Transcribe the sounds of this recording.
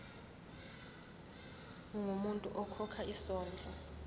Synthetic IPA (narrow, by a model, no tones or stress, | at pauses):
ŋʱumuntʼuʔɔkʰɔkʰaisɔːnd͡ɮʱɔ